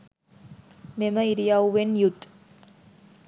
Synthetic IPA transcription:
meməiɾijauʋenjut̪

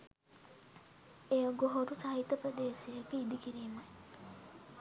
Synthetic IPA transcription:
ejoɡoɦoɾusɐɦit̪ːɐpɾəd̪eːsiekiid̪ikiɾiːmɐj

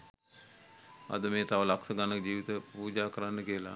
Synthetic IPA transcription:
a̰d̪əmeːt̪aʋəlaksəɡanəkd͡ʑiːʋit̪əpuːd͡ʒaːkəɾanːəkiəla̰

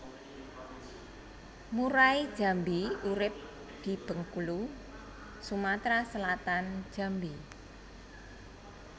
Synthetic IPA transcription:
muɾaid̥ʒ̥a̤mbiuɾɪp̚ | d̪̥i̤b̥ə̤ŋkulu | sumat̪ɾasəlat̪an̥ʒ̥a̤mbi

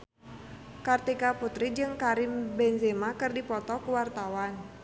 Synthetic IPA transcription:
kart̪ikaput̪ɾid͡ʒɨŋkaɾimbɛnzemakɨrdipɔt̪ɔkuwart̪awan

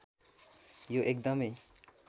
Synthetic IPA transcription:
joʔek̚d̪ʌme

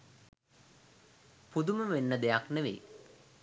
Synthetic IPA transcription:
pud̪uməʋenːəd̪eakneʋḛː

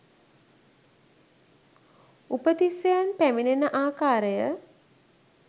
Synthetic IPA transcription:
upət̪isejanpæminenəʔaːkaːɾəjə

